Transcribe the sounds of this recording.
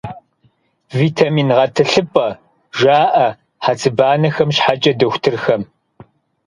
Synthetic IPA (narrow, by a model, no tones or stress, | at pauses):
viːtʰamiːnʁɐtʰɨɬɨpʼɐ | ʒaːʔɐ | ħat͡sʰʼɨbaːnɐxɐmɕħat͡ʃʼɐdɐxʷtʰɨrxɐm